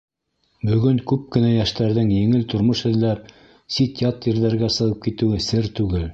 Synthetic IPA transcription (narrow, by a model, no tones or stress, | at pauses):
bɵ̆ɡɵŋkʉp̚kɘ̆næjæʃt̪æɾðɘŋjɘ̆ŋɘlt̪ŏɾmoʃɘ̆ðlːæɾ | sit̪ʲjɑt̪jɘ̆ɾðæɾɡæsɤ̆ʁɤp̚kit̪ɘ̆wɘsɘɾt̪ʉɡɘl